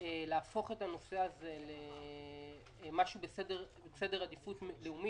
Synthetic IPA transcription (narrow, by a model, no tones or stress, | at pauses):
eleafo̞χetano̞se̞aze̞le | maʃubesedeʁbesedeʁadifutmleumi